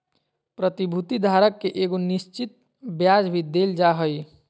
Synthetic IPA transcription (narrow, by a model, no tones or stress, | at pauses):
pɾət̪ibʱut̪id̪ʱaɾəkːeʔeɡonist͡ʃit̪̚ | bjad͡ʒbʱid̪eld͡ʒaɦəj